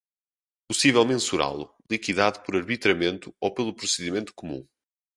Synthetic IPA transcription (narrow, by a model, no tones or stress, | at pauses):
pusivɛlˠmẽsuɾa̰lˠṵ | lˠikiðaðupɔɾɐɾβit̪ɾɐmẽnt̪uowpelˠupɾusɨðimẽnt̪u̥kumṵ̃